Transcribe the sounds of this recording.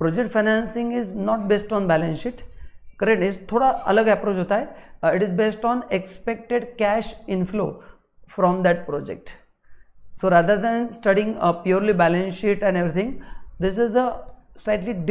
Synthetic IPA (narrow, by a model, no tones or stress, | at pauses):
pɾɔːd͡ʒekʈfaɪnæ̃nsɪ̃ŋɡɪznɔːʈ̚beːsʈɔ̃nbælə̃nsɪʈkəɾek̚ʈɪst̪ʰoːɽaə̰ləɡɛpɾoːt͡ʃɦoːt̪aɦeɪʈɪzbeːsʈɔ̃ːnekspek̚ʈeɖkæʃɪ̃nflo̰ː | fɾɔ̃md̪æʈ̚pɾɔːd͡ʒḛk̚ʈ | soːɾaːd̪əɾd̪ɛ̃nsʈəɖɪ̃ŋɡpjuːɾlibælə̃nʃɪʈɛ̃ɳeʋɾit̪ʰɪ̃ŋd̪ɪs̬ɪzəslaɪʈliɖ